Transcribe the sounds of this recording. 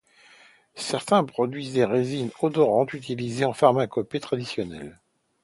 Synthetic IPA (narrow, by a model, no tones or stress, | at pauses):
sɛʁt̪ɛ̃pχɔd̪ɥizd̪eʁezinɔd̪ɔʁɑ̃t̪yt̪̬ilizeɑ̃faʁmakɔpet̪χad̪isjɔnɛ̰l